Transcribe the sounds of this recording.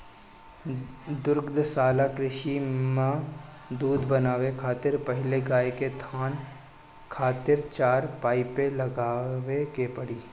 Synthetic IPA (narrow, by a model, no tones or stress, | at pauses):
d̪ʊɾɡd̪saːlakɾɪʃimã | d̪uːd̪bɐnaːʋekʰaːt̪ɪɾpəɦɪleɡaːeket̪ʰaːn | kʰaːt̪ɪɾt͡ʃaːɾpaːɪpelɐɡaːʋekepɐɽiː